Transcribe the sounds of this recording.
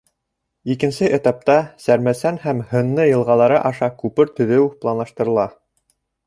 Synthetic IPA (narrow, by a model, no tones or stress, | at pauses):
ikɘ̆nsɘʔĕt̪ɑp̚t̪ɑsæɾmæsænhæmhɤ̆nːɤjɤ̆lˠʁɑlˠɑɾɤʔɑʃɑkʉpɘɾt̪ɵ̆ðɘwplˠɑnlˠɑʃt̪ɤ̆ɾɤ̆lˠɑ